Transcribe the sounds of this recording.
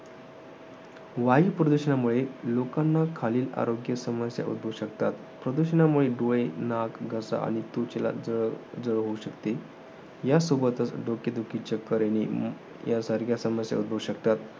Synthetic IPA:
ʋaiːpɾəd̪uɕəɳamuɭelokanːakʰaliːla̰ɾoɡjəsəməsja̰ʔṵd̪̚bʱəʋɕəkt̪at̪ | pɾəd̪uɕənamuɭeɖoɭenakɡʱəsa̰a̰ɽ̃it̪ut͡ɕela̰d͡zəɭd͡zəɭəɦouɕəkt̪e | jasobət̪ət͡sɖokjəd̪ukit͡ɕəkəɾeñi | jasaɾɡʱjasəməsja̰ṵd̪̚bʱəʋɕəkt̪at̪

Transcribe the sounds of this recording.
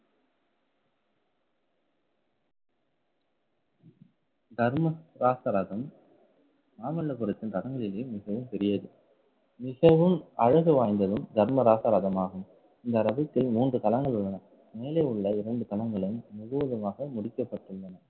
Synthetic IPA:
d̪ɐɾmɐɾaːsɐɾaːðɐm | naːmɐɭːɐpɔɾɯt̪ːɯnt̪ɐɽɐŋɡɐɭɪleːmɪɣɐʋɯmt̪ɛɾɪjɐðɯ | mɪɣɐʋɯmɐɻɐɣɯʋaːjnd̪ɐðɯmd̪ɐɾmɐɾaːsɐɾaːðɐmaːɣɯm | ɪnd̪ɐɾɐbɯt̪ːɪlmuːndrɯt̪ɐlɐŋɡɐɭɯɭːɐnɐ | meːlɐʊɭːɐɪɾɐɳɖɯt̪ɐlɐŋɡɐɭɪnmʊɣɯʋɐðɯmaːɣɐmʊɽɪkːɐpːɐʈːɯɭːɐnɐ

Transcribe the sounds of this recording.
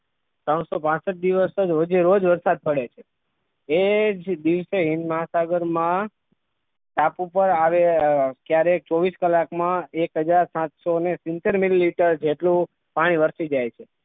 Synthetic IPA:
t̪əɳ̃sopãsəʈ̚d̪iʋəsəd͡ʒɦod͡ʒeɾod͡ʒʋəɾsad̪̚pəɽet͡ʃʰe | ed͡ʒd̪iʋseɦɪ̃nd̪məɦasaɡəɾmã | ʈapupəɾaʋekjaɾek̚t͡ʃɔʋiskəlakmãekɦəd͡ʒaɾsãt̪sonesint̪eɾmililiʈəɾd͡ʒeʈlũ | paɽ̃iʋəɾsid͡ʒajt͡ʃʰe

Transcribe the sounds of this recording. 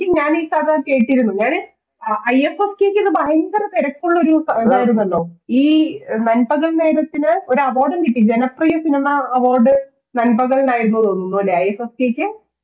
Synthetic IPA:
iɲaːniːkɐɾɐke̞ːʈːiɾunːuɲaːɳɨ | ɐjefeskeːkʲːiðɨbɐɦɐŋɡɐrt̪eɾɐkʲːuɭːɐoɾusɐeðaːjiɾunːɐlːoːiːnɐnbɐɣɐɭne̞ːɾɐt̪ːinɨoɾuɐʋoːrɖɐnɡiʈːid͡ʑenɐprijɐsinɐmɐːʋoːrɖɨ | nɐnbɐɣɐɭnaːjiɾunːɐðonːunːoːleɐjefefkeːkʲːɨ

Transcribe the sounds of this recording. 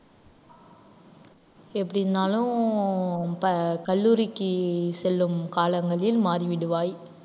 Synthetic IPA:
ɛpːɐɽɪnd̪aːlʊ̃ | pɐkɐɭːuːɾɪkːɯsɛlːɯmkaːlɐŋɡɐɭɪlmaːɾiʋɪɽɯʋaːj

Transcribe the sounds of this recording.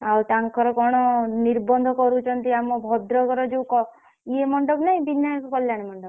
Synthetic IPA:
awt̪aŋkʰɔɾɔkɔɽ̃ɔniɾbɔnd̪ʱɔkɔɾut͡ʃʰɔnt̪iamɔbʱɔd̪ɾɔkɔɾɔd͡ʒewkɔ | iemɔɳɖɔbnaɦĩbinːajɔkɔkɔljaɽ̃emɔɳɖɔb

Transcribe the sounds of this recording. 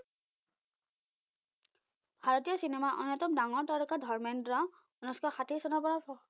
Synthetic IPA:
bʱaɹɔtijɔsinemaʔɔ̰nɔjtɔmdaŋɔɹtaɾɔkadʱɔɹmɛndɹɔ | ɔnɔskɔxatʰisɔnɔpɔɹa

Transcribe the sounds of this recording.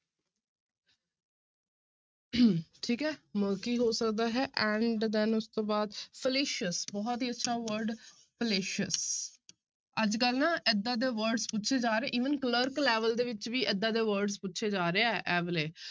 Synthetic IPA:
ʈʰiːkɛːməlkiːɦoːsəkd̪aːɦɛːʔɛ̃ːɳɖd̪ɛnʊst̪õːbaːd̪pʰəleːʃəsbɔːt̪ɦiːətːʃʰaːʋəɾɖ | pʰəleːʃəs | əd͡ʒkəlnãːʔɛd̪ãːd̪eːʋəɾɖspʊtːʃʰeːd͡ʒaːɾeɛ̃ːʔiːʋənkələɾklɛːʋəld̪eːʋɪt͡ʃʋiːʔɛd̪ːãːd̪eːʋəɾɖzpʊtːʃʰeːd͡ʒaːɾeːɛːʔɛːʋleː

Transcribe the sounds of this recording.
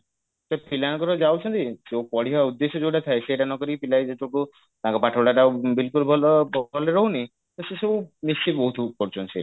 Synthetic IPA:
sapʰilañɔkɔɾɔd͡ʒawt͡ʃʰɔnt̪iseokɔɽiɦaud̪ːesɔd͡ʒowʈat̪ʰaeseʈanɔkɔɾipilajd͡ʒeʈʰuku | t̪ãkɔpaʈʰabɽaʈabilkulbʱɔlbʱɔleɾɔɦuni | t̪osesɔbumisibɔɦut̪ʰpɔɾt͡ʃʰɔnisḛa

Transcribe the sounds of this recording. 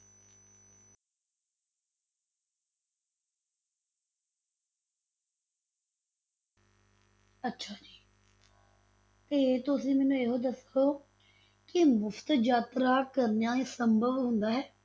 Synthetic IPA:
ətːʃʰaːd͡ʒiː | t̪eːt̪ʊs̬ĩːmɛːnũːeːɦoːd̪əsoː | kɪmʊpʰt̪d͡ʒaːt̪ɾaːkəɾnejãːeːsəmbʱəʋɦʊ̃nd̪aːɦɛː

